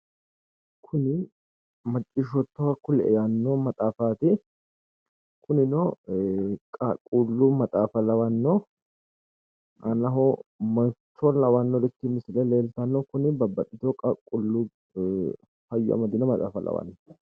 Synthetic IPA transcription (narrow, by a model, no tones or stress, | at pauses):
kʰʊnɪ | mɐt͡ʃʼːɪʃɔt̪ːɐwɐkʊlɛ̰ʔɛ̰jɐnːɔmɐt̪ʼaːfaːt̪ɪ | kʰʊnɪnɔ | kʼɐkʼːulːumɐt̪ʼaːfɐlɐwɐnːɔ | ʔɐnɐɦɔmɐt͡ʃːɔlɐwɐnːɔɾɪt̪ːɪmɪsɪlɛle̞ːlt̪ɐnːɔkʊnɪbɐbːɐɗɪt̪ɔkʼɐkʼːʊlːu | hɐjʊɐ̰mɐd̪ɪnɔmɐt̪ʼa̰ːfɐlɐ̰wɐ̰nːɔ